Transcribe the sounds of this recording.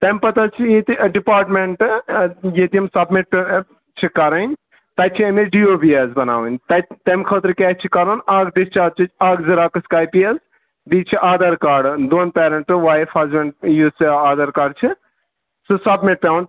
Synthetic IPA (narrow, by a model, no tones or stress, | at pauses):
t̪ɐmpɐt̪ɐt͡ʃʰijet̪iɖipaːɾʈmeɳʈ | jet̪iɐmsɐbmiʈ̚p | t͡ʃʰikɐɾɐnʲ | t̪ɐjt͡ʃʰiɐmeɖioːbiezbɐna̰ːwənʲt̪ɐt̪ɐmkʰət̪ɾkɛkt͡ʃʰikɐɾɐnaːɡɖist͡ʃaːd͡ʒ̚t͡ʃʰit͡ʃʰaːɡzɐɾaːkɐskaːjpijɐz | bit͡ʃʰiʔaːd̪ɐɾkaːɖd̪oːnpɛːɾɐɳʈɨʋaːjfaːzmeɳʈjusaːd̪ɐɾkaːɾɖt͡ʃʰi | sɨsɐbmiʈ̚pʲawɳʈ